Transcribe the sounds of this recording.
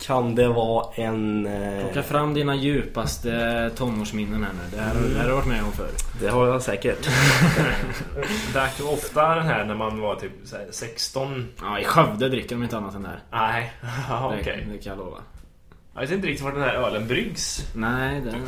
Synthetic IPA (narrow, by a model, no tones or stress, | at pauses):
kʰand̪ɛvɑːɛnʰlɔkːafɾamːd̪iːnajʉ̟ːpast̪ət̪ʰɔnːoːʂmɪnːənhæɳʉːɖɛhæɾd̪ɛhaɾɛhɾvaʈmɛɔmfœ̰ɾd̪ɛhaɾjasɛːkəʈ | d̪ɾak̪ːɔft̪ad̪ɛnhæːɳæɾmanvaɾt̪ʰyːpsæːsɛkst̪ɔnɑːɪɧœvd̪əd̪ɾɪkːəɖɔmɪnt̪əanːat̪ɛnd̪ɛ̰ːɾnæɪd̪ɛɛ̰d̪ɛkʰãjaloːva̰ | ɑɪt̪ɪnɾɪk̚t̪svaʈ̚dɛnd̪æːɾœːlənbɾʏɡsnæɪd̪ɛ